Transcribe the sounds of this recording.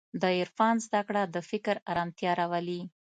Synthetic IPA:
d̪əɪɾfɑnzd̪akɽad̪əfɪkɾaɾɑmt̪jɑɾawəli

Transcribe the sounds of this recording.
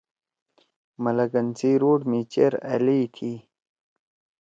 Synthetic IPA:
mɐləɡɐnt͡siɾoːʈmiːt͡ɕeɾa̰lit̪ʰi

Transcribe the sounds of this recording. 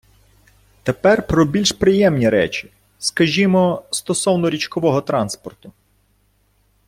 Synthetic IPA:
t̪epɛrpɾɔbʲilʲʃpɾɪjɛmnʲiɾɛ̰t͡ʃʲi̥ | skɐʒʲimɔst̪ɔsɔwnɔɾʲit͡ʃkɔʋɔɦɔt̪ɾɑnspɔrt̪ʊ

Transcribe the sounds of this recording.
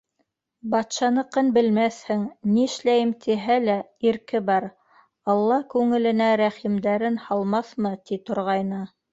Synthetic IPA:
bɑt̪ʃɑnɤ̆qɤnbɘ̆lmæθhɘŋniɘ̆ʃlæjɘmt̪ʰiɦælæ | iɾkɘbɑɾ | ɑlˠːɑkʉŋɘ̆lɘ̆næɾæχimd̪æɾɘnhɑlˠmɑθmɤt̪it̪ŏɾʁɑjnɤ

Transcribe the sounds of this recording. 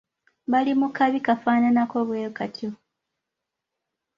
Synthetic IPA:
βalimukaβikafaːnanako̞βweːkatʰjo

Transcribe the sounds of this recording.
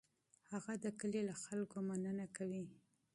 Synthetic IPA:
haɣad̪əkəlelaxalkomanənakawi

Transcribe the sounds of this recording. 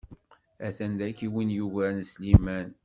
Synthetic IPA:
æθænd̪ækiwinjuʝænslimæn

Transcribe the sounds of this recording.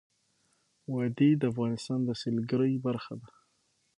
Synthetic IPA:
wɑd̪ed̪əafɣɑnɪst̪ɑnd̪əselɡəɾəjbaɾxad̪a

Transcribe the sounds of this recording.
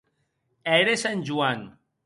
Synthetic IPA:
eɾesanʲd͡ʒuan

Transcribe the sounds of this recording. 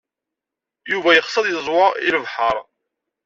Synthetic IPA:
juvæjəχsəðˤjəzˤwʊiləvħəɾˤ

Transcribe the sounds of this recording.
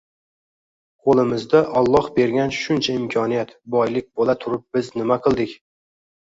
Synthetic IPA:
qʰolˠɪmɪzd̪aʔɒlˠːɒhbe̞ɾɡʲanʃʊnt͡ʃʰaɪmkʲʰɒnijat̪bɒjlɪk̚ʲbolat̪ʰʊɾɪp̚bɪznɪmaqʰɨlˠd̪ɪkʲ

